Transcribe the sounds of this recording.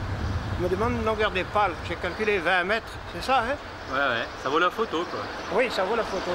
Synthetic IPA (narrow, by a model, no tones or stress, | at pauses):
ʒəməd̪əmɑ̃d̪d̪əlɔ̃ɡaʁd̪epalʒekalkʲylevɛ̃mɛt̪χsɛsaɛ̃ | wɛwɛsavolafot̪okwa̰ | wisavolafot̪o